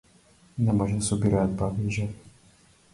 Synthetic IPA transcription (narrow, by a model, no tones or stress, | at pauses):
nɛmɔʒɛsubʲiɾad̪̚bavʲiʒɛ